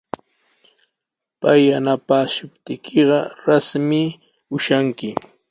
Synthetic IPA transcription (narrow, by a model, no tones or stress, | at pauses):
pajanapaːʃʊpt̪ɪkʰeɢɑɾasmɪ | ʊʃaŋkɪ